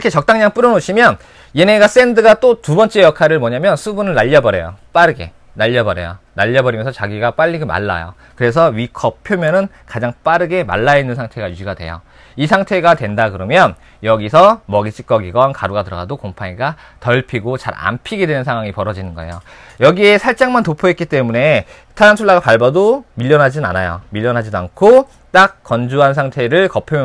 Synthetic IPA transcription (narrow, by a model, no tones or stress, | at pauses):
kʰet͡ɕʌk̚t͈aŋɲaŋp͈uɾʌnoɕʰimjʌn | jeneɡas͈e̞ndɯɡat͈otubʌnt͡ɕ͈e̞jʌkʰaɾɯɭmʌɲamjʌnsʰubunɯɭnaʎːʌbʌɾe̞̰jo̰p͈aɾɯɡe̞ | naʎːʌbʌɾḛjo̰naʎːʌbʌɾimjʌnsʰʌt͡ɕaɡiɡap͈aʎːiɡema̰ɭːa̰jo̰ | kɯɾe̞s̬ʰʌɥikʰʌppʰjomjʌnɯn | kad͡ʑaŋp͈aɾɯɡe̞ma̰ɭːainːɯnsʰaŋtʰe̞ɡajuɡiɡadwe̞̰jo̰ | isʰaŋtʰe̞ɡadwendakɯɾʌmjʌn | jʌɡisʰʌmʌɡit͡ɕʰi̥k͈ʌɡiɡʌnkaɾuɡatɯɾʌɡadokompʰaɲiɡa | tʌɭpʰiɡot͡ɕa̰ɾa̰mpʰiɡe̞dwe̞nɯnsʰaŋɦwaŋipʌɾʌd͡ʑinɯnɡʌejo | jʌɡie̞sʰaɭt͡ɕ͈aŋmantopʰoɦet̚k͈it͈e̞mune̞ | tʰaɾantʰuɭːaɡapaɭbadomiʎːʌnɦad͡ʑinɯna̰najo̰miʎːʌnɦad͡ʑidoankʰo | t͈ak̚k͈ʌnd͡ʑuansʰaŋtʰe̞ɾɯɭkʌpʰjomj